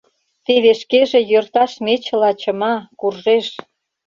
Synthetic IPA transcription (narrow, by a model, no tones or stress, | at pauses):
t̪eβeʃkeʒĕjørt̪ɑʃmet͡ɕə̆lɑt͡ɕə̆mɑkurʒeʃ